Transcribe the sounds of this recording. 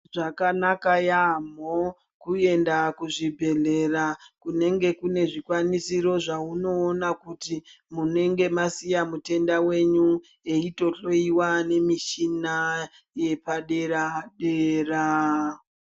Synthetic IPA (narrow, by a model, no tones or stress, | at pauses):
ʐakanakajamo | kue̞ndakuʐibʱe̞ɮe̞rakune̞ŋɡe̞kune̞ʐikwanisiɾo̞ʐauno̞ːnakuti | mune̞ŋɡe̞masijamute̞ndawe̞ɲu | e̞ito̞ɬo̞iwane̞miʃina | je̞paɗe̞ɾaɗera